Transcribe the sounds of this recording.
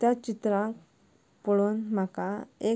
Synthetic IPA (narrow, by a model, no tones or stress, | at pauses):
t̪jat͡ɕit̪ɾãk | poɭoːnm̤akae